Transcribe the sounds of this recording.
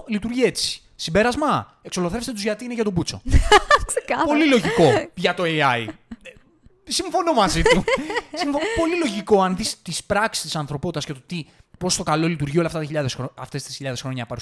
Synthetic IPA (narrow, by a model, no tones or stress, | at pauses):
lit̪uɾʝie̞t͡si̥ | simbe̞ɾɐzmɐ | e̞kso̞lo̞θe̞fst̪et̪uzʝɐt̪iineʝɐt̪o̞but͡so̞̰sekɐpolilo̞ʝiko̞ʝɐt̪o̞eɐi | siɱfo̞no̞mɐzit̪usimfopo̞lilo̞ʝiko̞ɐnðist̪ispɾɐksi̥st̪isɐnθɾo̞po̞t̪it̪ɐscet̪ot̪ipo̞st̪o̞kɐlolit̪uɾʝiolɐft̪ɐt̪çiʎɐðesɾoɐft̪e̞st̪isçiʎɐðexɾo̞ɲɐpɐɾu